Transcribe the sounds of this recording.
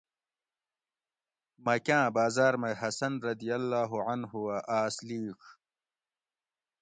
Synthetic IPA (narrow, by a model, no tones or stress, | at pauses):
mɐkãːbaːzaːɾmɐjɦɐsɐnɾɐd̪ijɐlːaːɦuʕɐnɦuwaʔaːsliːkʰ